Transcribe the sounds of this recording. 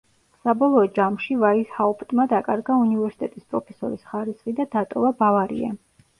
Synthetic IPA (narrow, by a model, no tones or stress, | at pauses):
sabɔlˠɔːd͡ʒamʃivaishaupʼt̪ʼmad̪akʼaɾɡaunivɛɾsi̥t̪ʼɛt̪ʼispʼɾɔpʰɛsɔ̰ɾisχaɾisχid̪ad̪at̪ʼɔvabavaɾḭa̰